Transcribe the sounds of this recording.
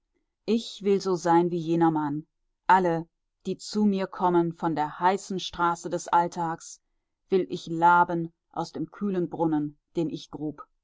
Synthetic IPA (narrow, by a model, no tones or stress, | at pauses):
ʔɪçv̥ɪlzoːzaɪnviːjeːnɐman | ʔalə | d̥iːt͡suːmiːɐkʰɔmənfɔndeːɐhaɪsn̩ʃtʁ̥aːsədɛsʔaltʰaːks | v̥ɪlʔɪçlaːbən | ʔa̰ʊsd̥eːmkʰyːlənbʁʊnənd̥eːnʔɪçɡ̥ʁuːp